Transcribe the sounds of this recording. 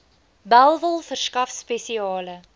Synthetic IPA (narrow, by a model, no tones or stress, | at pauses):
bælˠvəlˠfərskɐfspɛsiɑːlə